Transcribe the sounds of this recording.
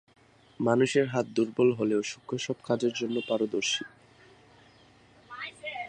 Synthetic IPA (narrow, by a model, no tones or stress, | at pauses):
manuʃeɾɦat̪̚d̪uɾbolɦoleoʃukʰːoʃɔbkad͡ʑeɾd͡ʑonːopaɾod̪oɾʃi